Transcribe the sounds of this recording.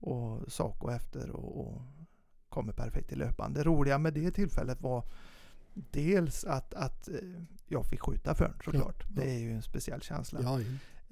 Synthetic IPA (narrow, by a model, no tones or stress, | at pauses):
ʔɔsɑːkɔɛft̪ə̰ɾɔ̰ː | kʰɔmːəpʰæɾfɛk̚t̪ʰːɪløːpa̰nd̪əɾuːlɪɡamɛd̪ɛt̪ʰɪlfɛ̰lːət̪va | d̪̥eːlsat̪at̪jɑːɡfɪkːɧʉ̟ːt̪afœ̰ːɳʂɔklɑ̰ːʈd̪ɛæɾjɵɛnspɛsɪɛlːɕɛ̰nsla